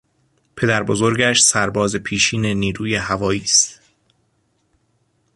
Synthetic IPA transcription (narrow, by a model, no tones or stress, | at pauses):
pʰe̞d̪æɾbozo̞ɾɟæʃsæɾbɒːzepʰiːʃiːne̞niːɾuːjehævɒːjiːst̪